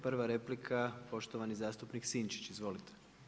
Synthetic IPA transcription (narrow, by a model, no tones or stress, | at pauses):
pr̩ʋaɾeplikʰapo̞ʃt̪oʋanizaːst̪upniksiːnt͡ʃi̥t͡ɕizʋo̞lit̪ʰe̥